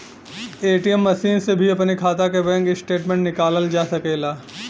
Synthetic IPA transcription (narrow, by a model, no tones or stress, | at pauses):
eːʈijəmːɐʃiːnsebʱiɐpnikʰaːt̪akebɛ̃ːŋkɪsʈeːʈmẽɳʈnɪkaːləld͡ʒaːsɐkeːlaː